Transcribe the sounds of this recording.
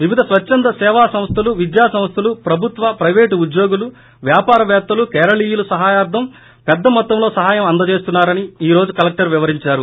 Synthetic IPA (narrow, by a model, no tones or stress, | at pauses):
ʋiʋid̪ʱɐsʋɐt͡ʃːɐnd̪ɐsɛːʋaːsɐmst̪ʰɐluʋid̪jaːsɐmst̪ʰɐlupɾɐbʱut̪ʋɐpɾɐjʋeːʈuud̪jo̞ːɡulu | ʋjaːpaːɾɐʋɛːt̪ːɐlukɛːɾɐliːjulusɐɦaːjaːɾd̪ʱɐm | pɛd̪ːɐmɔt̪ːɐmlo̞ːsɐɦaːjɐmɐnd̪ɐt͡ʃe̞ːst̪unːaːɾɐniiːɾo̞ːd͡ʒukɐlɐk̚ʈɐɾʋiʋɐɾiɲt͡ʃaːɾu